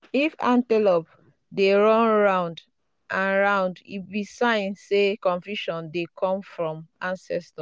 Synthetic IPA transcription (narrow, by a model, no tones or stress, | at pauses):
ifã̰ntɛlɔp | deɹɔ̃nɹãʊ̃nd | ʔãnɹãʊ̃ndḭbisãɪ̃nsekɔ̃nfjuʃɔ̃ndekʰɔ̃mfɹɔ̃mãnsɛstɔ